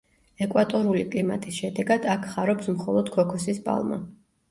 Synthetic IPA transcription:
ɛkʼwat̪ʼɔɾulikʼlima̰t̪ʼisʃɛd̪ɛɡad̪̥akʰχaɾɔpsmχɔlˠɔd̪kʰɔkʰɔsisbʼa̰lˠma̰

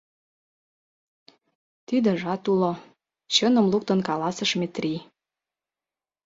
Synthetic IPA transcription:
t̪id̪ə̆ʒɑt̪ulo | t͡ɕɤnə̆mluk̚t̪ə̆nkɑlɑsə̆ʃmet̪ri

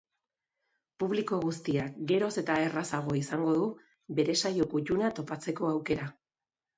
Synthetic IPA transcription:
puβliko̞ɣust̪iakɡe̞ɾo̞se̞t̪ae̞rasaɣ̞o̞isaŋɡo̞ð̞u | be̞ɾe̞sajo̞kucunat̪o̞pat͡se̞ko̞awke̞ɾa

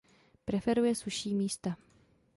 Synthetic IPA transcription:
pɾɛfɛɾujɛsuʃiːmiːst̪a

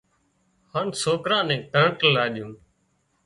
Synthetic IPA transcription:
haːnsoːkɾãːnɛ̃ːʈəɳʈəlaːɗɪjũː

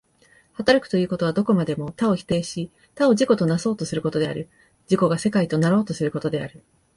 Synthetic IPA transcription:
hat̪aɾakɯ̟̥t̪o̞jiɯ̟ːko̞t̪o̞β̞ad̪o̞ko̞mad̪e̞mo̞t̪ao̞çi̥t̪e̞ːɕi | t̪ao̞ʑiko̞t̪o̞naso̞ːt̪o̞sɨɾɯ̟ko̞t̪o̞d̪e̞a̰ɾɯ̟ | d͡ʑiko̞ɡase̞kait̪o̞naɾo̞ːt̪o̞sɨɾɯ̟ko̞t̪o̞d̪e̞aɾɯ̟

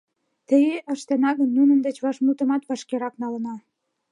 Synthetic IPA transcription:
t̪əjeʔəʃt̪enɑɣənːunənd̪ə̆t͡ɕβɑʃmut̪ə̆mɑt̪βɑʃkeɾɑknɑlə̆nɑ

